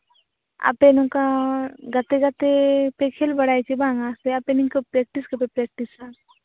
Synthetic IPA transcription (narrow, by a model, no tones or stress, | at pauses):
a̰penõkaɡɐt̪eɡɐt̪epekʰelbɐɽaːjt͡ʃebãːŋaːseɐpeniŋkopɾek̚ʈisɡɐpepɾeːk̚ʈisa